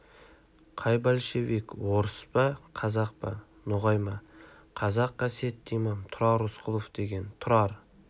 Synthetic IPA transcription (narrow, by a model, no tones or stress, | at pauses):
qʰɑjbælʃebekwoɾəspɑqʰɑzɑq̚pɑ̰ | nʊʁɑjmɑ | qʰɑzɑqːɑset̪ːimɑmt̪ʰʊɾɑɾʊsqʰʊlˠofd̪̥e̞ɡʲe̞nt̪ʰʊɾɑɾ